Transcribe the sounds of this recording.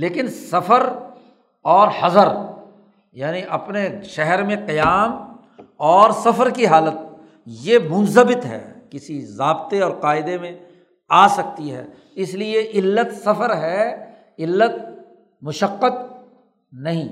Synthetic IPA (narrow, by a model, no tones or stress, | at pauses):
leːkɪnsɐfəɾ | ɔːɾhɐzəɾ | jaːniʔɐpneʃɛɦɛɾmẽqɐjaːm | ɔːɾsɐfəɾkiɦaːlət̪̚ | jemʊ̃nzəbɪt̪ɦɛ̰ːkɪsizaːbt̪eɔːɾqaːɪd̪emẽ | aːsɐk̚t̪iɦɛ̰ː | ɪslieʔɪlːət̪sɐfəɾɦɛ | ɪlːət̪̚ | mʊʃəqːət̪ | nɐɦĩː